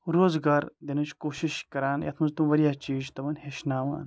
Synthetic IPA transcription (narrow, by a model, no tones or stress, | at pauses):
ɾoːzɡaːɾd̪enɐt͡ʃʰkoːʃiʃkɐɾaːnjɐ̰t̪ʰmɐ̃nzt̪umʋɐɾjaːt͡ʃiːd͡ʒt̪ɐʋɐnɦeʃnaːʋa̰ːn